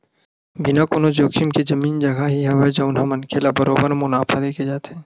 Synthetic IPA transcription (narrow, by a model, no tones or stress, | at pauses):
bɪnakonod͡ʒoːkʰimked͡ʒɐmiːnd͡ʒɐɡaɦiɦɐʋed͡ʒɐʊnamɐnkʰelabɐɾoːbəɾmʊnaːpʰad̪eːkʰed͡ʒaːt̪ɛ̃ː